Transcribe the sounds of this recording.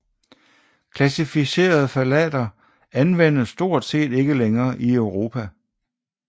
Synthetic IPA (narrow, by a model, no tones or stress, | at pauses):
kʰlæsifise̝̰ːɐð̞̩ˠfælɛ̰d̥ɐ | ænʋen̰əsːd̥o̝ɐ̰d̥se̝̰ːd̥e̝ɡ̥əleŋɐːʔiœʊʁo̝ːpʰæ